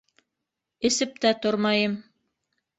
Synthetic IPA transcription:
ɘ̆sɘp̚t̪æt̪oɾmɑjɤm

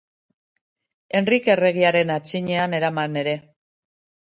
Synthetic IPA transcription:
e̞nrike̞re̞ɣ̞iaɾe̞nat͡siɲe̞ane̞ɾamane̞ɾe̞

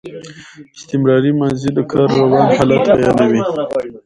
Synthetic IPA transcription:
ɪst̪ɪmɾɑɾimanzid̪əkʰɑɾːawɑnhalat̪bajɑnawi

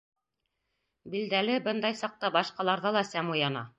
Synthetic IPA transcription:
bild̪ælɘbɤnd̪ɑjsɑq̚t̪ɑbɑʃqɑlˠɑɾðɤlˠɑsæmujɑnɑ̰

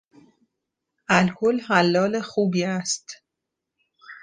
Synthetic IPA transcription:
ælkʰolhælːɒːlexuːbiːæst̪

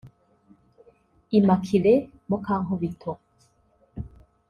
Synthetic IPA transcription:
imakʰile | mokaŋhoβitʰo

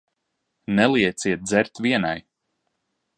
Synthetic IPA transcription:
nɛlˠiɛt̪siɛt̪̚d̪zɛɾt̪viɛna̰j

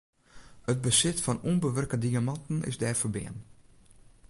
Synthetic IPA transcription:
əd̚bəsɪtfɔnunbəʋərkədiamɑntn̩ɪ̰zdɛːrfəbɪ̰ən

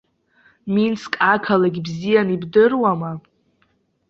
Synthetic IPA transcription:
minskʼakʰalaɡʲibzijanibdɨrwama

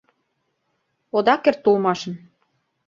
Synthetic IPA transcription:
od̪ɑkert̪ːulmɑʃə̆m

